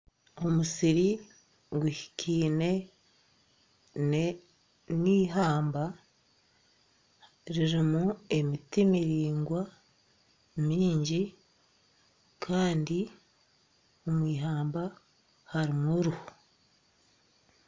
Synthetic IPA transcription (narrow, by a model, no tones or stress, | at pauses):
o̞musiɾi | ɡuhi̥kʰiːne̞ | ne | niːɦaːmba | ɾiɾimue̞mitimiɾiːŋɡwa | miːɲɟi | kʰaːndi | o̞mwiːɦaːmba | haɾimuɾuho